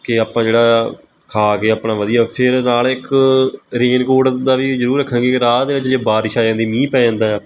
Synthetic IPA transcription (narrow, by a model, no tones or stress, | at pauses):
kɪaːpãːd͡ʒeːɽaː | kʰaːkeːaːpnãːʋəd̪ijaːpʰɪɾnaːlɪk | ɾeːnkoːɖd̪aːʋiːzəɾuːɾːəkʰːãːɡeːkɪɾaːt̪d̪eːʋɪt͡ʃd͡ʒeːbaːɾɪʃaːd͡ʒãːnd̪iːmĩːpɛːãːnd̪aːɛː